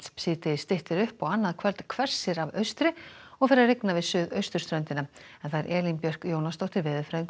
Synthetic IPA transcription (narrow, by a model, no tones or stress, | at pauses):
spsiːt̪ɪst̪ɪht̪ɪɾʏhpaɣanːaðkʰvɛlt̪kʰvɛr̥sɪɾavœɥst̪ɾɪɔɣfɪɾareknavɪðsʏːðœɥst̪ʏɾ̥st̪ɾœnt̪ɪnaɛnθaðɛɾʔɛːlinpjœr̥kjoːwnast̪owht̪ɪɾvɪːðʏfɾaðiŋk